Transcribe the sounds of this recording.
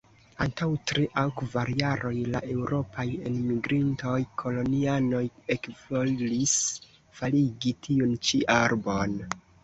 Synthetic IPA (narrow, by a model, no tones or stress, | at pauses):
antawtɾiʔawkvaɾjaɾʔo̞jla̰ʔe̞wɾo̞pʰajḛnmiɡɾinto̞jkʰo̞lo̞niano̞jekvois | faliɡitʰiunt͡ʃiʔaɾbo̞n